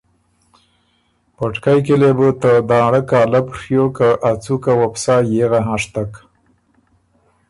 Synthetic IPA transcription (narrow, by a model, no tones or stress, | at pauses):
pəʈkajkelebut̪əd̪ɑɽəkɑːlapʂjokaʔat͡sukawapsɑjeɣaɦãʂt̪ak